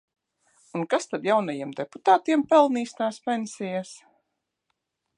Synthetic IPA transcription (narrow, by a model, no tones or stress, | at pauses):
unkast̪ad̪jawnajiɛmd̪eput̪aːt̪iɛmpɛlˠniːst̪aːspʲɛnsijas